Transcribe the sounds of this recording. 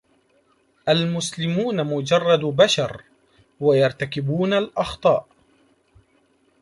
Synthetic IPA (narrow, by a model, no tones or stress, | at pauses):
ʔalmʊslɪmuːnamʊd͡ʒɑrˤːɑd̪baʃɑɾˤ | wajɑɾˤt̪akɪbuːnalʔɑxt̪ˤɑːʔ